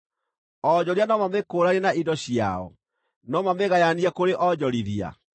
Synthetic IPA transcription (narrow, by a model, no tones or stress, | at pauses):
ɔd͡ʑɔɾianɔmamekoɾaɾenaidɔɕia̰ɔ̰ | nɔmameɣajaniakoɾeʔɔd͡ʑɔɾiðia̰